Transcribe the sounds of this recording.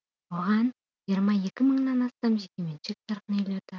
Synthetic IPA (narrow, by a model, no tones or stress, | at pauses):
woʁɑn | ʒijəɾmɑje̞kʲɪməɴnɑnɑst̪ɑmʒekʲement͡ʃɪk̚t̪ʰɑɾqənelʲet̪ə